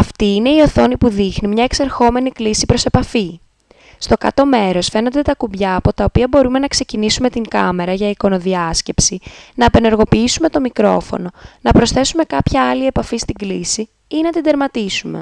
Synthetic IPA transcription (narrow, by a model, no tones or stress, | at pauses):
ɐft̪iine̞io̞θo̞nipuðixnimɲɐekseɾxo̞me̞niklisipɾo̞se̞pɐfi | st̪o̞kɐ̰t̪o̞me̞ɾo̞sfe̞no̞nd̪et̪ɐkubʝɐːpo̞t̪ɐo̞piɐbo̞ɾume̞nɐkse̞cinisume̞t̪iŋkɐme̞ɾɐʝɐiko̞no̞ðiɐsce̞psinɐːpe̞ne̞ɾɣo̞piːisume̞t̪o̞mikɾo̞̰fo̞̰no̞nɐpɾo̞sθe̞sume̞kɐpçɐɐlie̞pɐfist̪iɡlisi | inɐt̪id̪e̞ɾmɐt̪isume̞̰